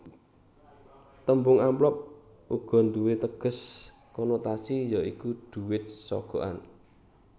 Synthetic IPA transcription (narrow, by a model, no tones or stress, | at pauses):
t̪əmbʊŋamplɔp̚ | uɡ̥ɔ̤nd̪uwet̪əɡ̥ə̤s | kɔnot̪asijaikud̪̥ṳwɪt̪̚sɔ̰ɡ̥ɔ̤ʔa̰n